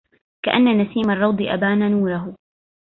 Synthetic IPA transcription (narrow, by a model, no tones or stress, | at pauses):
kaʔanːanasiːmarˤːɑwd̪ˤɨʔa̰baːnanuːɾaɦʊ